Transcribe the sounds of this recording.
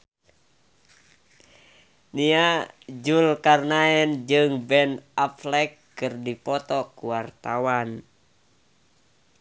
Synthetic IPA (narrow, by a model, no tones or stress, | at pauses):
niad͡ʒulkarnaɛnd͡ʒɨŋbɛnaflɛkːɨrdipɔt̪ɔkuwart̪awan